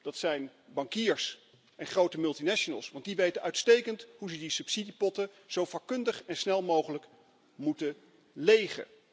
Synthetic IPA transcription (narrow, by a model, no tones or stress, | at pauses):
d̥ɑtsɛjnbɑŋkiːɹs | ʔɛnχrowtəmɵlˠtinɛʃonə̰lˠsʋɑnt̚diʋejtəʔœɥtstejkəntɦuzədisɵpsidipɔtə | z̥owfɑkːɵndəχɛnsnɛlˠmowχələk | mutə | lejχə̰